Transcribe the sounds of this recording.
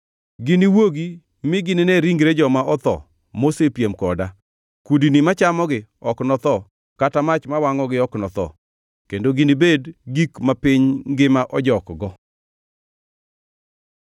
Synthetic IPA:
ɡɪniwoɡi | mɪɡɪnɪneɾiŋɡɾed͡ʒɔmaʔɔt̪ɔ̰ | mosepjemkɔda | kudinimat͡ʃamɔɡɪɔknɔt̪ɔ | katamat͡ʃmawaŋɔɡɪɔknɔt̪ɔ̰ | kendoɡɪnibedɡikmapɪɲɡɪmaʔɔd͡ʒɔkɡɔ

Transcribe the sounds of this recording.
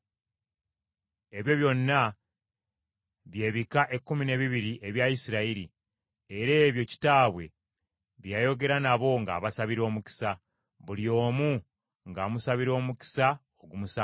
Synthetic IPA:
e̞βjo̞βjo̞nːa | βje̞ːβikaʔe̞kːumine̞βiβiɾiʔe̞βjaisiɾaiɾi | e̞ɾe̞ːβjo̞ci̥taːβwe̞ | βjajo̞ɡe̞ɾanaβo̞ŋɡa̰ːβasaβiɾo̞ːmuki̥sa | βulio̞ːmu | ŋɡaːmusaβiɾo̞ːmuki̥sa | oɡumusa

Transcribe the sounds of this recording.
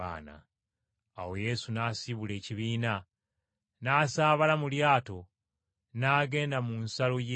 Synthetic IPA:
a̰ːna̰ː | wo̞je̞sunaːsiβule̞ːciβiːna | naːsaːβalamuljaːto̞ | naːɡe̞ːndamunsaloje

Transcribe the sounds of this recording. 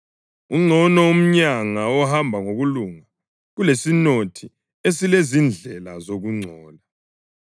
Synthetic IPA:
uŋ͡ǀʱɔnɔum̩ɲaŋaɔhambʱaŋoɣuluŋa | ɣulesinotʰi | esilezind͡ɮʱɛlazoɣuŋ͡ǀʱɔːla

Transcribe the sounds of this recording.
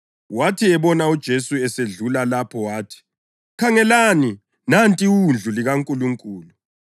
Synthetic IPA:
watʰiɛβɔnaud̥ʒ̥ʱesuɛseɮulalapʰɔwaːtʰi̥ | kʰaŋɛlaːni | nantʼiund͡ɮʱuliɣaŋkʼuluŋkʼuːlu

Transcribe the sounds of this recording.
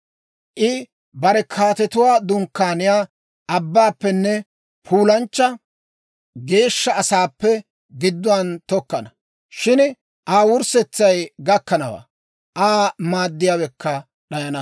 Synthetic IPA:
ʔɪ | bɐɾɛkʰaːt̪ɛt̪ʊwaːd̪ʊŋkːaːnɪjaː | ʔɐbːaːpːɛnːɛ | pʰuːlɐnt͡ʃːɐ | ɡe̞ːʃːɐːsaːpːɛ | ɡɪd̪ːʊwant̪ɔkːɐnɐ | ʃɪn | ʔaːwʊɾsɛt͡sːɐjɡɐkːɐnɐwa̰ː | ʔaːmaːd̪ːɪjaːwɛkːɐ | ɗɐjɐnɐ

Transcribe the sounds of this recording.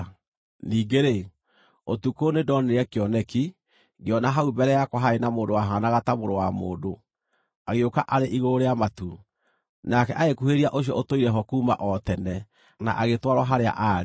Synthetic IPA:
niːɡeɾe | otukonedɔniɾɛkeɔnɛki | ɡeɔnaɦaubɛɾɛjakwɔɦaenamoːndowaɦanaɣatamoɾowamoːndo | aɣeokaʔaɾeʔiɣooɾeamatu | nakɛʔaɣekuheɾiaʔoɕ̬iɔ̰otoiɾɛɦɔkuːma̰ʔɔtɛnɛ | na̰ʔaɣetwaɾwaɦaɾea̰ʔa

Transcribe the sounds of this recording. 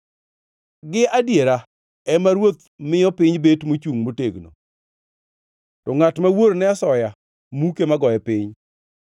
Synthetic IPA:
ɡɪʔadjeɾa | ɛmaɾwot̪̚ | mɪjɔpɪɲbetmot͡ʃuŋmoteɡno̰ | tɔŋatmawoɾnɛasɔja | mukemaɡɔɛpɪɲ

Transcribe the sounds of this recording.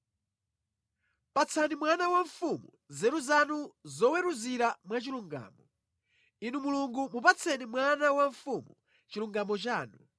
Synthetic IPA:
pat͡sʰanimwanawaɱfumu | zɛɾuzanuzɔwɛɾuziɾamwat͡ʃiluŋɡa̰ːmɔ | inumuluŋɡumupat͡sʰɛnimwanawaɱfumu | t͡ʃiluŋɡamɔt͡ʃaːnu

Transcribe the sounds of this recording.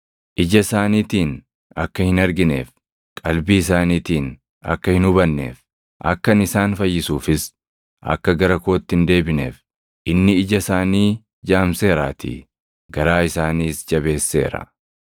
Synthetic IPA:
ʔɪd͡ʒɐɪsaːniːt̪iːn | ɐkːɐhɪnɐɾɡɪne̞ːf | kʼɐlbiːɪsaːniːt̪iːn | ɐ̰kːɐhɪnʊbɐnːe̞̰ːf | ʔɐ̰kːɐnɪsaːnfɐjːɪsuːfɪs | ʔɐ̰kːɐɡɐɾɐko̞ːt̪ːɪnd̪e̞ːbɪne̞̰ːf | ʔɪnːɪɪd͡ʒɐsaːniː | d͡ʒaːmse̞ːɾaːt̪ḭ | ɡɐɾaːɪsaːniːsd͡ʒɐbe̞ːsːe̞̰ːɾɐ̰

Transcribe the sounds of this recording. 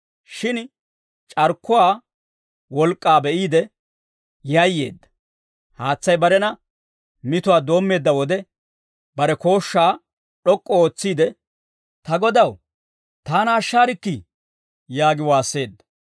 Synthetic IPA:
ʃɪn | t͡ʃʼɐɾkʰːʊwaː | wɔlkʼːaːbɛʔiːd̪ɛ | jɐjːe̞̰ːd̪ːɐ̥ | haːt͡sːɐjbɐɾɛnɐ | mɪt̪ʊwaːd̪o̞ːmːe̞ːd̪ːɐwɔd̪ɛ | bɐɾɛko̞ːʃːaː | ɗɔkʼːɔo̞ːt͡sːiːd̪ɛ | t̪ɐɡɔd̪ɐw | t̪aːnɐːʃːaːɾɪkːɪ | jaːɡɪwaːsːe̞ːd̪ːɐ̥

